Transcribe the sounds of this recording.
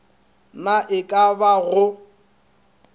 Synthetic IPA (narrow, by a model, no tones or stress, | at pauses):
naʔɪkʼabaɣʊ